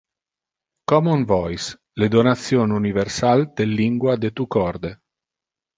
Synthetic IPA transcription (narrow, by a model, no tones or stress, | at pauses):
kɔmunvɔjs | led̪onat̪sːjonuniversald̪̥elːiŋɡwad̪et̪ukɔrd̪e